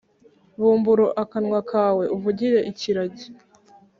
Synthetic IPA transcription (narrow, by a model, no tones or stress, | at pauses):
βuːmbuɾoʔakanŋwakʰaːwe̞ʔuvuɟiɾe̞ʔiciɾaɟi